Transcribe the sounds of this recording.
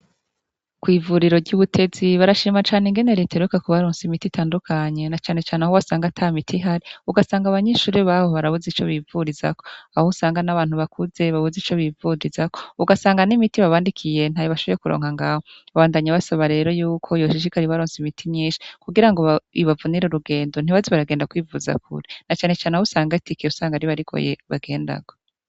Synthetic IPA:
kwiːvuɾiɾo̞ɟuβutʰe̞z̥iβaɾaʃiːmat͡ʃaːneŋɡe̞ne̞ɾeteɾukakuβaɾoːnsimititʰaːndukʰaɲe̞nat͡ʃaːne̞t͡ʃaːnehowasaːŋɡatʰamitʰiɦaɾiuɡasaːŋɡaβaɲeʃuːɾiβaːho̞βaɾaβuzit͡ʃo̞βivuɾiza̰ko̞ahousaːŋɡanaβaːn̥huβakʰuze̞βaβuzit͡ʃo̞βivuɾizakouɡasaːŋɡanimitiβaβaːndikʰije̞n̥ajoβaʃo̞βoɾekuɾo̰ːŋhaŋɡaːhoaβaːndaːɲaβasaβaɾe̞ːɾo̞juːkʰo̞joʃiʃ̬ikaɾiβaɾoːnzimitʰimɲiːnʃi̥kuɡiɾaŋɡo̞βaiβavuniɾeɾuɡe̞ːndon̥iβaziβaɾaɡeːndakwiːvuza̰kʰṵɾenat͡ʃaːne̞t͡ʃaːneahusaːŋɡaitikeusaːŋɡaɾiβaɾikʰo̰jḛβaɡe̞ːnda̰ɡ̥o

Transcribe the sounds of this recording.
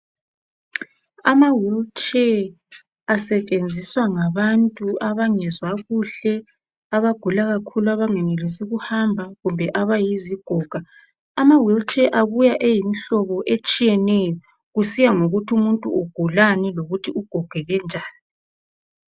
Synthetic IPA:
amawilt͡ʃʼɛ | asɛt͡ʃʼend͡zʱiswaŋaβantʼuaβaŋɛzwaɣuɬɛ | aβaɡ̥ʱulaɣakʰuluaβaŋɛnɛlesiɣuhambʱaɣumbʱɛʔaβajiziɡ̥ʱɔːɡ̥ʱa | amawilt͡ʃʰʼɛʔaβujaʔejimiɬɔβɔʔet͡ʃʼijɛnɛjɔ | ɣusijaŋoɣutʰumuntʼṵuɡ̥ʱulaniloɣutʰiuɡ̥ʱɔɡ̥ʱɛɣɛnd͡ʒʱaːni

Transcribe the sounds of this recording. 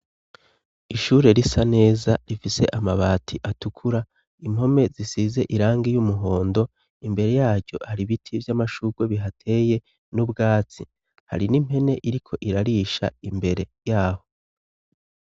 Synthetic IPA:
iʃuːɾe̞ɾisane̞ːzaɾifise̞ʔamaβaːtʰiʔatukʰuɾa | im̥ho̞me̞zisize̞ʔiɾaːŋɡijumuɦo̞ːndo̞ | imbe̞ɾe̞jaːɾɟo̞̰haɾiβitʰivjamaʃuɡ̥we̞βiɦatʰe̞je̞ | nubɡaːt͡si | ha̰ɾinim̥he̞ne̞ʔiɾikʰo̞ʔiɾaɾiʃa̰imbe̞ɾe̞jaːho̞

